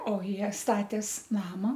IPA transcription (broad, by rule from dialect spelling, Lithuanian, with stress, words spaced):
oː ˈjiɛ ˈstɑːtʲeːs ˈnɑːmɐ